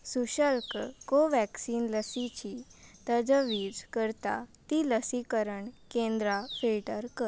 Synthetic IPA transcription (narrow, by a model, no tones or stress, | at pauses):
suɕəlkkoʋɛksiːnləsit͡ɕit̪əd͡zəʋiːd͡zkəɾt̪a̰t̪iləsikəɾəɳkẽnd̪ɾafilʈəɾkə